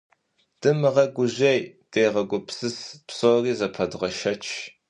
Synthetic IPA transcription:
d̥ɨmɨʁɐɡʷʊʑejd̥eːʁɐɡʷʊpsɨspsoːriːzɐpʰɐdʁɐʃɐt͡ʃʰ

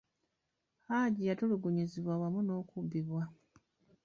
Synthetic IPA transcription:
aɟijatoluɡuɲiziβwawamuno̞ːkubːiβwa

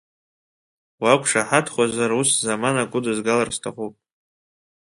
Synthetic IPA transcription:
wakʷʼʰʂaħatʰχʷazaruszamanakʷʼʊdɨzɡalarstʰaχʷupʼ

